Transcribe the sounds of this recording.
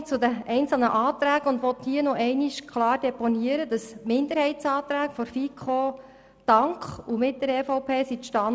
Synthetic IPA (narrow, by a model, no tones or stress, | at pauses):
t͡sʊd̪əɛɪnt͡sl̩nəʔɑːt̪ɾæːɡəʊnd̪ʋɔt̪hiənɔʔɛɪniʃkʰlɑːrd̥ɛpɔniəɾəd̥ɑsmɪnd̪əɾhɛɪtsɑːt̪ɾæːkfɔɾfikχo | d̥ɑŋkχumɪt̚d̥əɾɛfɔwpʰeːsitʃtɑ